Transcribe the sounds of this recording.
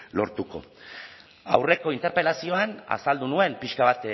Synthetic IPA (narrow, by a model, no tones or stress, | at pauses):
lo̞ɾt̪uko̞̰ | a̰wre̞ko̞int̪e̞ɾpe̞lasio̞ana̰sald̪unue̞mpiʃkaβ̞at̪